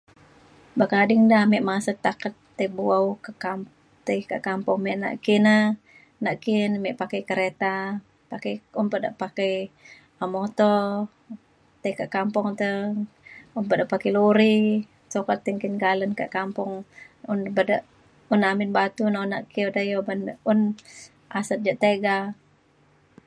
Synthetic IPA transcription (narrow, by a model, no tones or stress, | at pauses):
bakadɪŋdahmɛʔmasət̪akət̪ːəbuawkakam | t̪ajkaʔkampɔŋmɛʔna̰ʔkinə | naʔkinmɛʔpakəjkəɾet̪a | pakəjunpədaʔpakəj | amot̪ɔ | t̪əikaʔkampɔŋt̪ə | unpədaʔpakəjluɾi | sokat̪ːəŋkinɡalənka̰ʔkampɔŋunbədəʔ | unamɪnbat̪unonaʔkiudajobanəʔun | ʔasət̪̚d͡ʒaʔt̪eɡa